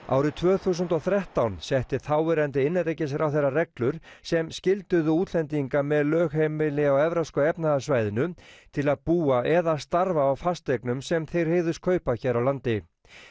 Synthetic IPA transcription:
a̰ːwɾɪt̪ʰvœːθuːs̬ʏnt̪ɔwθɾɛht̪awnsɛht̪ɪθawvɛɾant̪ɪɪnːɪɾejcɪsɾawθejrːarɛklʏɾ̥ | sɛmscɪlt̪ʏðʏuːt̪ʰlɛnt̪̬iŋkamɛðlœːɣhejmɪlɪawɛvɾaskœɛpnaðasvaːjðɪnʏt̪ʰɪlaðpuːaʔɛðast̪aɾvaːwfast̪ejknʏmsɛmθejɾ̥heːjðʏskʰœːɥpaçɛːɾawlant̪ɪ

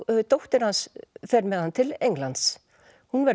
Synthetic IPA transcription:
t̪owht̪ɪɾ̥hansfɛɾmɛðhant̪ʰɪlejŋklant̪s | hunvɛɾ

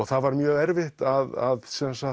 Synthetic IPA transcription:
ɔɣθaðvaɾmjœːɣɛɾvɪht̪aðaðsɛnsa

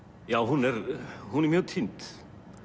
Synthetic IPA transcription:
jaːwɦunɛɾhunɛɾmjœːɣt̪ʰint̪

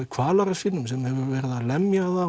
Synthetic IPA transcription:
ɪkʰvaːlaɾafɪnːʏmsɛmhɛvʏɾvɛɾðalɛmjaða

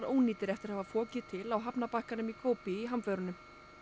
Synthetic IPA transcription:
ɾoːwniːt̪ɪɾɛft̪ɪɾ̥hɛvafɔːcɪt̪ʰɪlawɦapnapahkanʏmikʰoːwpɪiɦamfœɾʏnʏm

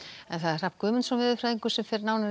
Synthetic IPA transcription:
ɛnθaðɛɾ̥r̥ap̪kʰʏːmʏnsamvɪðʏfɾaːðiŋkʏ̥sɛmfɪɾnaːwna

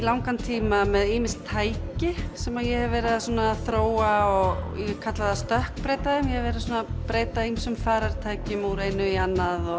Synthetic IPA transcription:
ilawŋkant̪ʰiːmamɛðiːmɪst̪ʰːaːjcɪsɛmaðjɛɣɛvvɛːɾɪðasuːnaːðθɾoːwaɔɣjɛkʰat̪laðast̪œhkpɾeːjt̪aðɪmjɛhɛvɛːɾɪðs̬uːnapɾeːjt̪aimsʏmfaːɾaɾ̥t̪ʰaːjcʏmuɾeːjnʏianːaðɔ

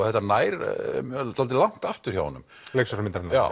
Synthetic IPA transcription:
θɛht̪ːanaːjɾ | t̪alt̪ɪlaŋ̥t̪aft̪ʏɾ̥çawhɔnʏ̰m | lejksɔɾamɪnt̪ɾɛnaa̰

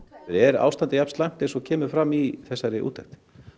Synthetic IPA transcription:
θɛɾɛɾa̰ːwst̪ant̪ajapnslajn̥t̪ɪsɔcʰɛːmʏɾfɾamːiθɛsːaɾɪʔṵːt̪ʰːaht̪

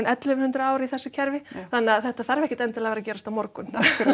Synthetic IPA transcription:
nʔɛt̪lɪmhʏnt̪ɾʏaːwɾɪiθɛsːʏcʰɛɾvɪθanːɛaθɛht̪aθaɾvɛhcɪ̥t̪ɛnt̪ɪlavɛːɾacɛːɾast̪amɔɾkʏn

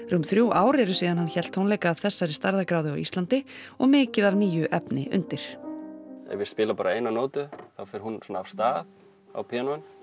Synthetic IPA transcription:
rʏmθɾjuːʔaːwɾɛɾʏsiːðanhançɛl̥t̪ʰːhownleːjkaːvθɛsːaɾɪst̪aɾðakɾaːwðʏawist̪lant̪ɪɔɣmɪːcɪðavniːjʏʔɛpnɪ̰ʔʏ̰nt̪ɪɾ̥ | ɛ̰vɪɾspɪːlapaːɾaejnanoːwt̪ʏθawfɛɾ̥hunsɔnːaːv̥st̪aːð | a̰wpʰɛanuan

